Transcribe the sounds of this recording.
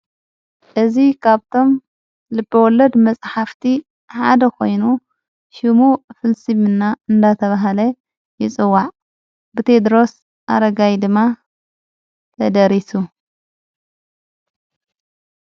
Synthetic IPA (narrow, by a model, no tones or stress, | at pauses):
ʔɨzikʰaβt̪ʰo̞m | lɨbːɐwɔlɐd̪mɐt͡sʼħaft̪ʰi | ħa̰d̪ɐkʰo̞jnu | ʃimufɨlsimɨnːaɨnd̪at̪ʰɐβaɦalɐ | jɪt͡sʼɨwːaʕ | bɨt̪ʰe̞d̪ɾo̞s | ʔa̰ɾɐɡajd̪ɨmːa | t̪ʰɐd̪ɐɾisu